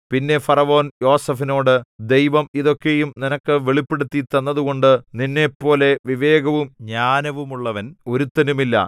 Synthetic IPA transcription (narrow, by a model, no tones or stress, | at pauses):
pinːe̞fɐrɐʋo̞ːnjo̞ːsɐfino̞ːɽɨd̪e̞jʋɐmiðo̞kːejumninɐkːɨʋeɭipːeɽut̪ːit̪ːɐnːɐðuɣo̞ɳɖɨninːe̞pːo̞ːle̞ʋiʋe̞ːɡɐʋumɲaːnɐʋumuɭːɐʋɐno̞ɾut̪ːɐnumilːɐ̰